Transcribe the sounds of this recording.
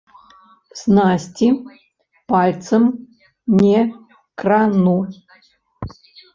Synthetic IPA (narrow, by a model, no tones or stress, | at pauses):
snasʲtʲi | palʲt̪t͡s̪ɨm | nʲɛ | kranu